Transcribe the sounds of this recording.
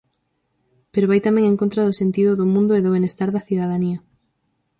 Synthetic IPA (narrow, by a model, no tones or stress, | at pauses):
peɾoβajt̪amẽŋẽŋkõnt̪ɾɐðʊsent̪iðʊðʊmũnd̪ʊeðʊβenest̪aɾðɐθiðaðaniɐ